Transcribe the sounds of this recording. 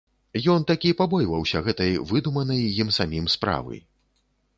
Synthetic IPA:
jɔnt̪akʲipabɔjvɐwsʲɐɣɛt̪ɐjvɨd̪umɐnɐjːimsamʲimspɾa̰vɐ̰j

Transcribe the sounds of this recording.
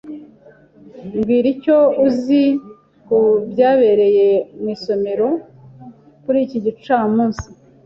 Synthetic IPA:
ŋɡwiːɾico̞uzi | kubjaːβe̞ɾe̞je̞mwiːso̞me̞ɾo̞ | kuɾiːciɟit͡ʃaːmuːnsi

